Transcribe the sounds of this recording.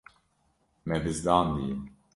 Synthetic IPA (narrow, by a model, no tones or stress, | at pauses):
mɛbɨzd̪ɑːnd̪ijim